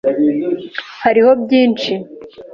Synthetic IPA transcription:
haɾiho̞bɟiːnt͡ʃi

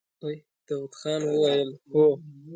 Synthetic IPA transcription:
oj | d̪̥awʊt̪xɑnwəwajəlho

